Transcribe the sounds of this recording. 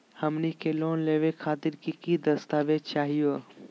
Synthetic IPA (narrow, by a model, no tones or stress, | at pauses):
hɐmnikeloːnleːʋekʰaːt̪ɪɾkikid̪ɐst̪aːʋed̚t͡ʃaːɦijo